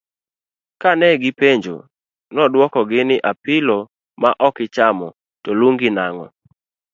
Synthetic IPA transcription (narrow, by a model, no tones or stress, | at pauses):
kanɛɡɪpeɲd͡ʒo̰ | nɔdwɔkɔɡɪnɪʔapɪlɔ | maʔɔkɪt͡ʃamɔ̰ | toluŋɡɪnaŋɔ̰